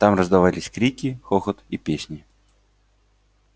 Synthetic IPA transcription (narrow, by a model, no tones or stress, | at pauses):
t̪amrəzd̪ɐvalʲɪsʲkɾʲikʲɪxoxət̪ipʲesʲnʲɪ